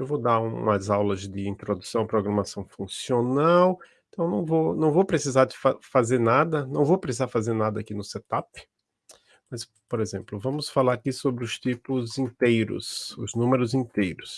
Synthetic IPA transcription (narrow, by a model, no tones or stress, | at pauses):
ewvowd̪aɾũmɐzawlɐzd̪ɪĩt̪ɾod̪usɐ̃w̃ɐpɾoɡɾɐmasɐ̃w̃fũsionawẽt̪ɐ̃w̃nɐ̃w̃vownɐ̃w̃vowpɾesizaɾd̪ɪfafazeɾnad̪ɐnɐ̃w̃vowpɾesizaɾfazeɾnad̪ɐaːkinʊset̪apɪ̥ | mɐs | poɾezẽmplʊvɐ̃mʊsfalaɾakisobɾɪʊst͡ʃ̪ipʊzĩt̪ejɾʊ̰sʊznũmeɾʊzĩt̪ejɾʊs